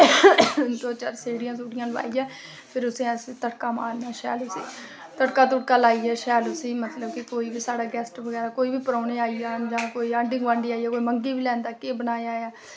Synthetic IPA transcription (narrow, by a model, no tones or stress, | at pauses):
d̪oːt͡ʃəɾseːɽijãːsuːʈɪjãːləʋa̰ːiːɛː | pʰɪɾʊsẽːəsit̪əʈkaːma̰ːlnaːʃɛ̰ːlʊsḭː | t̪əɽkaːt̪ʊʈkaːlaːiːɛːʃɛːlʊsiːmət̪ləb̚kɪkoːiːbiːsaːɽaːɡɛːsʈʋəɡɛːɾaːkoːiːbiːpəɾoːneːaːiaːd͡ʒãːkoːiːãːɳɖɪ̃ŋɡʋãːɳɖiːaːiɛːkoːiːməŋɡiːbiːlɛ̃ːnd̪aːkeːbənaːjaːjaː